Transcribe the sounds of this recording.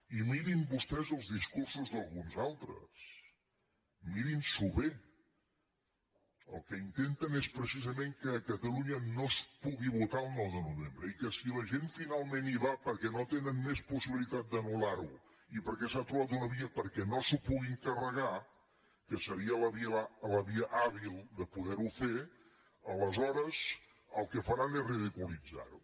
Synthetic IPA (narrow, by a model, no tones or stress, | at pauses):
imiɾimbust̪ɛzəlˠzðiskursuzðəlˠɣunzalˠt̪ɾə̰s | miɾinsuβe | ə̰lˠkəint̪ent̪ənespɾəsizəmeŋkəkət̪əluɲənospuɣiβut̪aəlˠnɔwðənuβembɾəikəsiləʒeɱfinalˠmeniβapəɾkɛnot̪enənmespusiβilit̪at̪̚d̪ənulaɾu | ipəɾkɛsat̪ɾuβat̪unəβiəpəɾkɛnosupuɣiŋkərəɣa | kəsəɾiələβiləβiəʔaβilˠd̪əpuðɛɾufe | ələzɔɾəz | əlˠkəfəɾanezriðikulid͡za̰ɾu